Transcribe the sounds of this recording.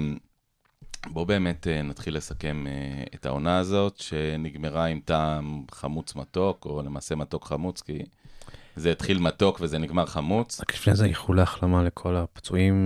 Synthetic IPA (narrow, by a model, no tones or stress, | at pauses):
bo̞be̞ːme̞tenatχilːe̞sake̞meeta̰o̞naːzo̞tʃe̞niɡme̞ʁaimtamχamut͡smato̞ko̞lemaːse̞mato̞kχamut͡ski | zeit̪χilmato̞kve̞ze̞niɡmaʁχamut͡saklifnezeiχulaχlamalekʰo̞lapt͡suim